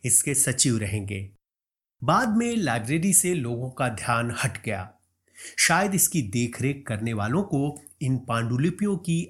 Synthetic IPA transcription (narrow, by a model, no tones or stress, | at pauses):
ɪskesɐt͡ʃiːʋɾɐɦẽːŋɡḛː | baːd̪mẽlaːɪbɾeːɾiseloːɡõkad̪ʱjaːnhɐʈɡɐja̰ː | ʃaːjəd̪ɪskid̪eːkʰɾeːkːɐɾneʋaːlõko | ɪnpãːɳɖulipijõki